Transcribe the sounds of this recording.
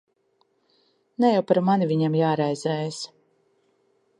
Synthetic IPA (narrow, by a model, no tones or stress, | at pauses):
nɛjawpaɾmanivʲiɲamjaːɾajzɛːjs